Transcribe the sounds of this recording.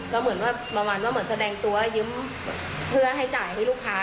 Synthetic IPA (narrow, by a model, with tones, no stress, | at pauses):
kɔː˥˩mɯ˩˦ənwaː˥˩bɔː˧ŋwaː˧nwaː˥˩mɯ˩˦sa˧dɛː˧ŋt̪u˧ɐjɯ˦˥m | pʰɯ˥˩ɐɦa˥˩jt͡ɕaː˨˩jt̪ʰa˥˩luː˥˩kʰːaː˦˥